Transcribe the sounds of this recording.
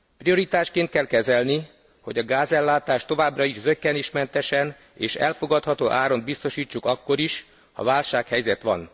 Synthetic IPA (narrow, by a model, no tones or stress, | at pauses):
prio̞ɾit̪aːʃkeːnt̪̚kɛlkɛzɛlni | ho̞ɟɒɡaːzɛlːaːt̪aːʃt̪o̞vaːbrɒiʒzøkːɛniʃmɛnt̪ɛʃɛn | ḛːʃɛ̰lfo̞ɡɒt̪hɒt̪oːʔaːɾo̞nd̪̚bist̪o̞ʃiːt͡ʃːukɒkːo̞ɾiʃ | hɒ̰vaːlʃaːkhɛjzɛt̪ʋɒ̰n